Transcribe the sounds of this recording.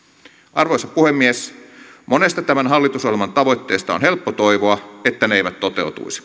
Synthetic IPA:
ʔɑrʋoisɑpuhemːiesmonest̪ɑt̪æmænɦɑlːit̪usohlelmɑnt̪ɑʋo̞jt̪ːḛːst̪ɑonhelpːot̪oiʋoɑet̪ːæneeiʋæt̪t̪ːot̪ḛut̪ṵisi̥

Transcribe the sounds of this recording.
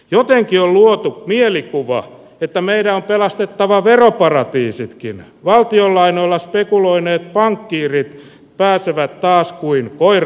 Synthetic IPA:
jot̪eŋkiolluot̪umielikuʋɑ̰ | et̪ːæmeidæompelɑst̪et̪ːɑʋɑʋeropɑrɑt̪iːsit̪kin | ʋɑlt̪iolːɑinoilːɑspekuloineːt̪̚pɑŋkːiːrit̪ | pæːseʋæt̪t̪ɑːskuiŋkoir

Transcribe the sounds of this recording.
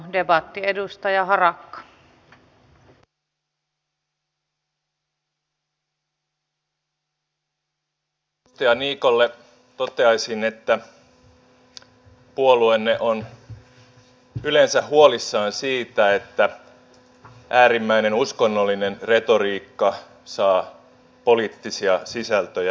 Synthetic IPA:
debɑt̪ːiedust̪ɑjɑɦɑrɑkːɑ̥ | st̪iɑniːkolːe | t̪ot̪e̞ɑjsine̞t̪ːæ | puoluenːeʔon | yle̞nsæɦuo̞lisːɑːnsiːt̪æe̞t̪ːæ | ʔæːɾimːæine̞nusko̞nːolːine̞nre̞t̪o̞ɾiːkːɑ | sɑː | po̞liːt̪ːisiɑsisælt̪øjæ

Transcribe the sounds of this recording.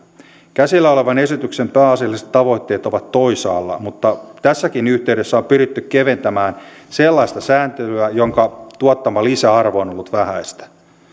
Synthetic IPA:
kæsilːæo̞le̞ʋɑne̞sit̪yksempæːɑsilːiset̪ːɑʋo̞jt̪ːe̞ːt̪o̞ʋɑt̪ːo̞isɑ̰ːlːɑ̰mut̪ːɑt̪æsːækinyht̪e̞yde̞sːæompyɾit̪ːykke̞ʋe̞nt̪æmæːnselːɑist̪ɑsæːnt̪elyæjo̞ŋkɑt̪uɑt̪ːɑmɑlisæɑrʋoːnolːut̪ʋæhæist̪æ̥

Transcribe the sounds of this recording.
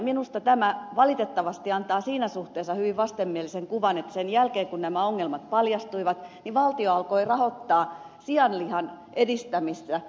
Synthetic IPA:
minust̪ɑt̪æmæʋɑlit̪et̪ːɑʋɑst̪iɑnt̪ɑːsiːnæsuht̪eːsːɑhyʋiʋʋɑst̪emːieliseŋkuʋɑnet̪ːsenjælkeːkunnæmæoŋːelmɑt̪̚pɑljɑst̪uiʋɑt̪niʋɑlt̪ioɑlkoirɑhot̪ːɑː | siɑnlihɑn | edist̪æmisːæ

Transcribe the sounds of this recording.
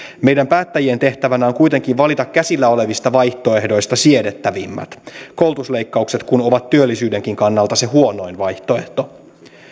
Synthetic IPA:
me̞jdæmpæːt̪ːæjient̪e̞ht̪æʋænæoŋkujt̪e̞ŋkiʋʋɑlit̪ɑkkːæsilːæo̞le̞ʋist̪ɑʋɑjht̪o̞e̞hdo̞jst̪ɑsie̞ɾet̪ːæʋimːæ̰t̪ko̞wlt̪usle̞jkːɑukse̞t̪kuno̞ʋɑt̪ːyølːisyːde̞ŋk̟iŋkɑnːɑlt̪ɑse̞ɦuo̞no̞jnʋɑjht̪o̞e̞ht̪o̞

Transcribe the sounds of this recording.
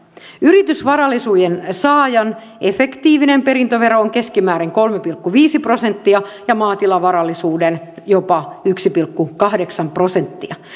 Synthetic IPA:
yɾit̪ysʋɑɾɑlːˑisujensɑːjɑn | efekt̪iːʋinempeɾint̪øʋeɾooŋke̞skimæːɾeŋko̞lmepilkːuʋiːsipro̞sent̪ːiɑjɑmɑːt̪ilɑʋɑɾɑlːˑisuːdenjopɑyksipilkːukɑhdeksɑmpro̞sent̪ːiɑ

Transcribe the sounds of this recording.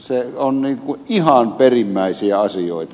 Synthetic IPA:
seonniːŋkuʔʔihɑnperimːæˑisiæɑsijoˑet̪ɑ

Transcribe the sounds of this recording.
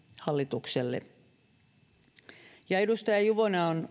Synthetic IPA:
hɑlːit̪ukselːḛ | jɑedust̪ɑjɑjuʋonɑon

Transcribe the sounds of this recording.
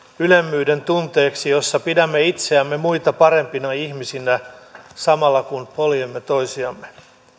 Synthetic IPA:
ylemːyːde̞nt̪unt̪e̞ːksijo̞sːɑpidæmːeit̪seæmːe̞muit̪ɑpɑɾe̞mpinɑiçmisinæsɑmɑlːɑkunpoljemːet̪o̞jsiɑmːe

